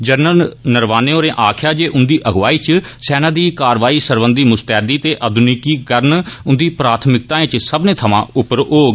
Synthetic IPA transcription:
d͡ʒəɾnəlnəɾʋaːnẽːoːɾẽːʔaːkʰjaːd͡ʒeːʔʊnd̪iːʔəɡʋaːiːt͡ʃsɛːnãːd̪iːkaːɾʋaːiːsəɾʋənd̪iːmʊst̪ɛːd̪iːt̪eːʔəd̪ʊnikiːkəɾnʊnd̪iːpɾaːt̪ʰmɪk̚t̪ãːẽt͡ʃsəbnẽːt̪ʰəmã̰ːʊpəɾɦoːɡ

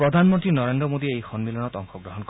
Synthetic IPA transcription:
ɾɔd̪ʱanmɔnt̪ɾinɔɾend̪ɾɔmod̪iejxɔnmilɔnɔt̪ɔŋxɔɡɾɔɦɔnkɔ

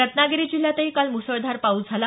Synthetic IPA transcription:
ət̪naɡeɾiːd͡ʑil̤jat̪əɦiːkalmusəɭd̪ʱaɾpauːd͡zʱala

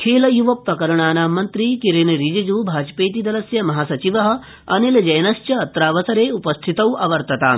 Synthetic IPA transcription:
kʰeːlɐjuʋɐp̚t̪ɐkɐɾɐɳaːnaːmɐnt̪ɾiːkiɾenɾid͡ʒid͡ʒuːbʱaːd͡ʒpeːt̪̬id̪ɐlɐsjɐmɐɦaːsɐt͡ʃiʋɐɦɐ̆ | ɐnilɐd͡ʒɐjnɐst͡ʃt͡ʃjɐːt̪ɾaːʋɐsɐɾeːupɐst̪ʰit̪ɐwʔɐʋɐɾt̪ɐt̪a̰ː

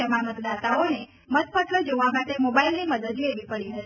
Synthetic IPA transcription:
emãmət̪d̪at̪aone | mət̪pət̪ləd͡ʒoʋamaʈemobailniməd̪əd̪ieʋipəɽiɦət̪i

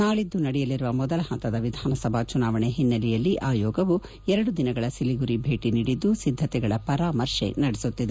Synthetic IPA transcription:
naːɭid̪ːunɐɽɛjɐliɾuʋɐmɔd̪ɐlɐhɐnt̪ɐd̪ɐʋid̪ʱaːnɐsɐbʱat͡ʃunaːʋɐɳeɦinːɐlɛjɐlːiʔaːjɔːɡɐʋu | ɛɾɐɽud̪inɐɡɐɭɐsiliɡuɾibʱe̞ːʈiniːɽid̪ːusid̪ʱːɐt̪ɛɡɐɭɐpɐɾaːmɐɾʂḛnɐɽɛsut̪ːid̪e

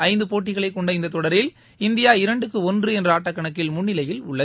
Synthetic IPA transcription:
ɐɪnd̪ɯpoːʈːɪɣɐɭɐɪkːɔɳɖɐɪnd̪ɐt̪ːɔɽɐɾɪl | ɪnd̪ɪjaːɪɾɐɳɖɯkːɯɔndrɯɛndrɐaːʈːɐkːɐɳɐkːɪlmʊnːɪlɐjɪlʊɭːɐ

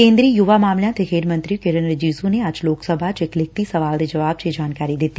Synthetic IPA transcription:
ẽːnd̪ɾiːjʊʋamaːmljãt̪ʰexeːɾmɐ̃nt̪ɾikɪɾənɾɐd͡ʒiːzuneɐd͡ʒloːksəbʱat͡ʃɪklɪk̚t̪isɐʋaːld̪ed͡ʒɐʋaːb̥̚t͡ʃed͡ʒaːnkaːɾid̪ɪt̪i

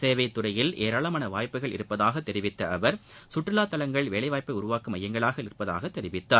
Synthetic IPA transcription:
seːʋɐɪt̪ːʊɾɐjɪlʔeːɾaːɭɐmaːnɐʋaːjpːɯɣɐɭɪ̰ɾɯpːɐðaːɣɐt̪ːɛɾɪʋɪt̪ːɐɐʋɐɾsʊʈrɪlaːt̪ːɐlɐŋɡɐɭʋeːɭɐɪʋaːjpːɐɪʊɾʊʋaːkɯmɐjːɐŋɡɐɭaːɣɐɪɾɯpːɐða̰ːɣɐt̪ːɛɾɪʋɪt̪ːaː

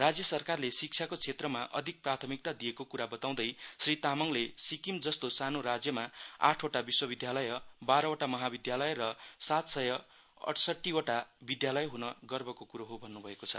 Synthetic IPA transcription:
rad͡zjʌsʌrkarlesik̚t͡sʰjakot͡sʰet̪rʌmaʔʌ̰d̪ʱik̚prat̪ʰʌmik̚t̪ad̪ijekokuɾabʌt̪aw̃d̪ʌjsrit̪amʌŋlesikimd͡zʌst̪osanoɾad͡zjʌmaa̰ʈʰoʈabiswʌbid̪jalʌjʌbaɾʌoʈamʌɦabid̪jalʌjrʌsat̪sʌjʌ | ʌ̰ʈʰsʌʈːioʈabid̪jalʌjɦunʌɡʌrbʌkokuɾoɦobʱʌnːubʱʌekot͡sʰʌ̰

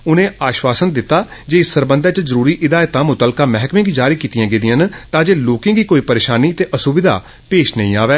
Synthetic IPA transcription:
ʊnẽːʔaːʃwaːsənd̪ɪt̪ːaːd͡ʒeːɪsːəɾbə̃nd̪ɛ̃ːt͡ʃəzəɾuːɾiːʔɪd̪aːjt̪ãːmʊt̪əlkãːmɛɦkmẽːɡiːd͡ʒaːɾiːkiːt̪ijãːɡeːd̪ɪjə̃nt̪ãːd͡ʒeːloːkɪ̃ŋɡiːkoːiːpəɾeːʃaːniːt̪eːʔəsʊbɪd̪a̰ː | peːʃnəĩːaːʋɛː

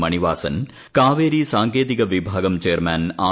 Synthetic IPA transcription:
mɐniʋaːsɐ̰n | kaːʋeːɾisaːŋkeːt̪ikɐʋibʱaːɡɐmt͡ʃeːɐɾmaːnaː

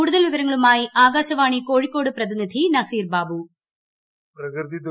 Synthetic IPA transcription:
kuːɽuðɐlʋiʋɐɾɐŋːɐɭumaːjiʔaːɡaːɕɐʋaːɳiko̞ːɻikːo̞ːɽɨprɐðinid̪ʱinɐsiːrbaːbu | prɐkɾd̪id̪

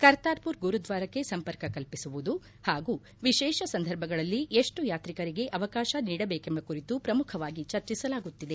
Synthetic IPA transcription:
kɐɾt̪aːɾpuɾɡuɾud̪ʋaːɾɐkːe̞sɐmpɐɾkɐkɐlpisuʋud̪u | haːɡuː | ʋiʃɛːʃɐsɐnd̪ʱɐɾbʱɐɡɐɭɐlːieʂʈujaːt̪ɾikɐɾiɡe̞ʔɐʋɐkaːʃɐniːɽɐbeːkembɐkuɾit̪upɾɐmukʰɐʋaːɡit͡ʃɐɾt͡ʃisɐlaːɡut̪ːid̪e̞

